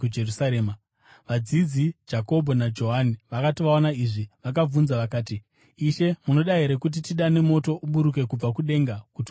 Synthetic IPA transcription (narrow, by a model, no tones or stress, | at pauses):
ud͡ʒerusaɾeːma | ʋad͡zid͡zid͡ʒako̞bʱo̞nad͡ʒo̞ɦaniʋakatiʋaonaiʐiʋak̬ab͡vunzaʋakaːtiː | ʃe̞muno̞ɗaɦe̞ɾe̞kut̬itiɗane̞mo̞to̞ʔuɓuɾuk̬e̞kub͡vakuɗe̞ŋɡakuti